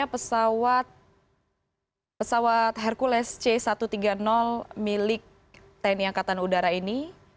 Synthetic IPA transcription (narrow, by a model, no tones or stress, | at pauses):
apəsawat̪̚ | pəsawat̪̚ɦɛrkulɛst͡ʃɛsat̪ut̪iɡanɔlmilɪk̚ | t̪aniaŋkat̪anudaɾaini